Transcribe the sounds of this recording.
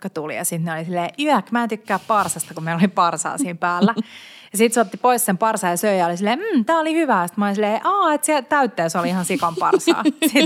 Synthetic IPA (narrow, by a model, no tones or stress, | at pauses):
kɑt̪ulḭjɑsit̪neolisilːeːʔyækmæːnt̪ykːæːppɑrsɑst̪ɑkummeilolipɑrsɑ̰ːsiːmpæːlːæ | jɑsit̪seot̪ːipoissempɑrsɑːjɑsøijɑolisilːeːm̩ːt̪æːolihyʋæːost̪mɑolisilːeiʔɑːet̪siæt̪æyt̪ːeːsoliihɑnsikɑmpɑ̰rsɑ̰ːsit̪